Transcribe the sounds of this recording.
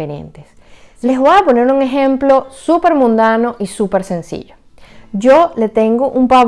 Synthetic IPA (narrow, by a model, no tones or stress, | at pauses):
eɾḛ̃nt̪es | le̞zβojapo̞ne̞ɾuŋe̞ɦe̞mplo̞supe̞ɾmũnd̪anoʔisupeɾse̞nsḭʝo̥ | d͡ʒole̞t̪e̞ŋɡoʔumpa